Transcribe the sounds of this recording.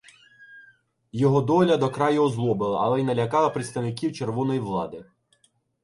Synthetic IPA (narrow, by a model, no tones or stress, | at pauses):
jɔɦɔd̪ɔlʲɐd̪ɔkɾɑjʊɔzlˠɔbɪlˠɐ̰ʔɐlˠɛjnɐlʲɐkɑlˠɐpɾʲɪt̪st̪ɐwnɪkʲiwt͡ʃerʋɔnɔjiʋlˠɑ̰d̪ɪ